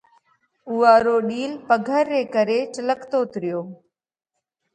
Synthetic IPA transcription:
uːaːɾoːɗiːlpəɡʱəɾːeːkəɾeːt͡ʃələkt̪oːt̪ɾɪjoː

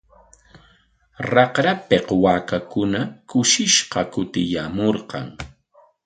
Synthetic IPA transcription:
ɾɑqɾapeqwaːkakʊnakʊʃɪʃqɑkʊt̪ɪjaːmoɾqɑ̰ŋ

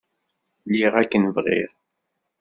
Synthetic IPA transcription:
liʁækːənvʁḭɾ

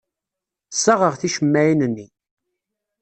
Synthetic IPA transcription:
sːəʁəʁθiʃəmːæjinənːi

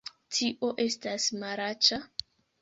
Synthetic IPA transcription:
tʰiʔoʔe̞stasmaɾat͡ʃa

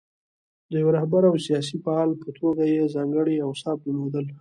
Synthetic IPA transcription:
d̪əjawɾahbaɾawsijɑs̬ifaɑlpət̪ʰoɡajezɑŋɡəɽiawsɑb̚lmod̪əl

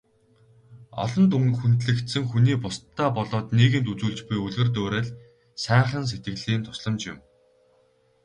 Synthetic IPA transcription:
ɔ̰ɮɞ̆nt̪uŋxunt̪ɮɘ̆kt̪sɘ̆ŋxuniːpʊst̪ʰːaːpɔɮɔːt̪niːɣɘ̆nt̪ut͡suːɮt͡ɕpujɵɮɘ̆rt̪̬oːɾeːɮ | sæːχə̆ns̬et̪̚ɡɘ̆ɮiːnt̪ʰʊ̥sɮə̆mt͡ɕjɪ̰ʊ̆m

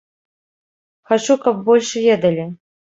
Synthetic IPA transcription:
xat͡ʂukɐb̚bɔlʲʂvʲed̪ɐlʲi

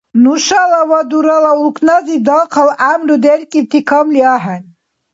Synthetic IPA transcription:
nuʃalawad̪uɾalaulkʰʼnazid̪ɔqʰalʔamɾud̪ɛɾkʼit̪ʰikʰamliaɦan

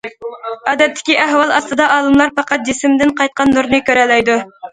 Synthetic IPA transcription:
ɑːd̪ɛt̪ʰːɪ̥kʲiʔæɦwɑlˠɑst̪ɨd̪ɑʔɑːlˠɨmlˠɑɾpʰɑqɑt̪̚d͡ʒisɪmd̪ɪnqɑjt̪̚qɑnːuɾnɨkʲøɾɛlːɛjd̪u

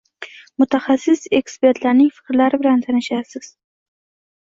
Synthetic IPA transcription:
mʊt̪ʰaχasːɪse̞kspe̞ɾt̪ʰlaɾnɪŋfɪ̥kɾlaɾɪbɪlant̪ʰanɪʃasɪz̥

